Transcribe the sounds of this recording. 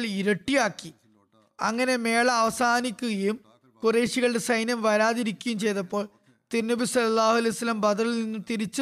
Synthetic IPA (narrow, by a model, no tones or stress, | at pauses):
ɭiɾɐʈːijaːkːi | ɐ̰ŋːɐne̞me̞ːɭɐːʋɐsaːnikʲːuɣɐjum | kureːʂiɣɐɭɨɽe̞sɐjnjɐmʋɐɾaːðiɾikʲːujumt͡ɕe̞jt̪ɐpːo̞ːɭ | t̪iɾnːɐbisɐlːɐlːaːhuɐlɐjusɐlːɐmbɐd̪ɐɭilninːumt̪iɾit͡ɕːɨ